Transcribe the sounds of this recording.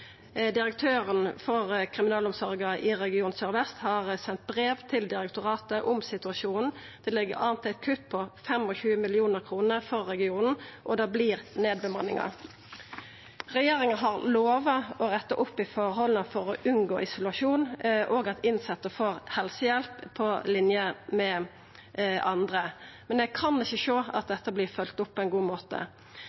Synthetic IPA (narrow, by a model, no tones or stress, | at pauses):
d̪ɪɾɛk̚t̪ʰøːʁənfɔʁkʰʁɪmɪnɑːlʊmsɔʁɡɑʔɪʁɛɡɪuːnsœʁʋɛst̪hɑʁsɛnt̪̚bʁeːʋt̪ʰɪld̪ɪɾɛk̚t̪ʊʁɑːt̪əʔʊmsɪt̪ʉɑʃuːnn̩ | d̪̥ɛlɪɡːə̰ʁɑːnt̪æɪt̪̚kʰʉt̪̚ːpʰɔfɛmɔçʉːəmɪlɪuːnəʁkʰʁuːnəʁfɔʁːɛɡɪuːnn̩ʔɔd̪ɑːbliːʁneːd̪̚bəmɑnːɪ̰ŋɑ̰ | ʁɛjeːɾɪŋəɑɦɑʁloːʋɑɔɾɛt̪ːəʔʊpːɪfɔʁɦɔlənəfɔɾɔʔʉnɡo̰ːʔɪsʊlʉɑʂuːnʔɔːɡɑt̪ɪnsɑt̪ːəfoːʁhɛlsəjɛlpʰːɔlɪnjəmɛ | ʔɑnd̪ʁəmɛndɛɡkʰɑnːɪçːəʂoːɑt̪̚d̪ɛt̪ːəbliːʁfœlt̪ʊpːɔɛnɡuːmoːt̪ə̰